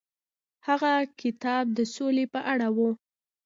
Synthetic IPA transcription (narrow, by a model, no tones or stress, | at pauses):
haɣakɪt̪ɑb̚d̪əsolepəʔaɽawu